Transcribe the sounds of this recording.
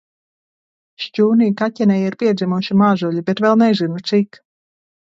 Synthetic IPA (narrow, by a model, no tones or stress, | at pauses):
ʃcʲuːniːkatʲɛnʲɛjiɾpʲiɛd̪zʲimuʃimaːʒulʲibet̪vɛlˠnɛzʲinut̪sik